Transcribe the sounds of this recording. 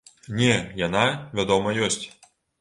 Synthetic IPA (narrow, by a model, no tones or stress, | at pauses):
nʲɛjanavʲad̪ɔmɐjɔsʲt͡sʲ